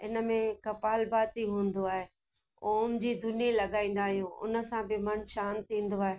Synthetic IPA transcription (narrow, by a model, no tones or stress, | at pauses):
ɪnə̆mẽkɐpaːlbaːt̪iɦũːnd̪oaːɦeː | oːmd͡ʑiːd̪ʱʊnijelɐɠaːĩːn̆d̪aːɦijũʊ̰nə̆sãbɪmɐnʃaːnt̪ʰĩːn̆d̪oaːɦeː